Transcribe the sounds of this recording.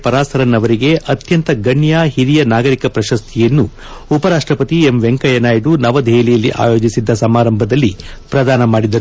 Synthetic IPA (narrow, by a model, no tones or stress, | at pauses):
pɐɾaːsɐɾɐnːɐʋɐɾiɡe̞ʔɐt̪jɐnt̪ɐɡɐɳjaːɦiɾijɐnaːɡɐɾikɐpɾɐʃɐst̪ʰijɐnːu | upɐɾaːʂʈɾɐpɐt̪iemʋe̞ŋkɐjɐnaːjiɖunɐʋɐd̪ʱeːlijɐlːiʔa̰ːjo̞ːd͡ʒisid̪ːɐsɐmaːɾɐmbʱɐd̪ɐlːi | pɾɐd̪aːnɐmaːɽid̪ɐɾ